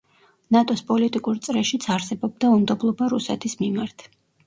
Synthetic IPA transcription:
nat̪ʼɔspʼɔlit̪ʼikʼuɾt̪sʼɾɛʃit̪sʰaɾsɛbɔb̚d̪aumd̪ɔblˠɔbaɾusɛ̰t̪ʰismimaɾt̪ʰ

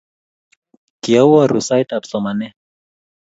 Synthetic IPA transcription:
kiawaɾusajt̪apsɔmanɛ

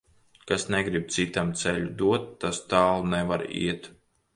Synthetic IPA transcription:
kasnɛɡɾib̚t̪sit̪amt̪sɛʎʲud̪uɔt̪ːast̪aːlˠnɛvaɾḭɛt̪

